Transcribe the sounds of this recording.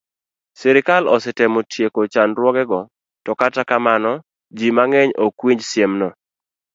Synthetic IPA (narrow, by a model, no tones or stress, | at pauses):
sɛɾɪkalɔsɪtɛmotʰjekot͡ʃanɾwɔɡɛɡɔ | tɔkatakamanɔ | d͡ʒimaŋeɲokwiɲd͡ʒsjemnɔ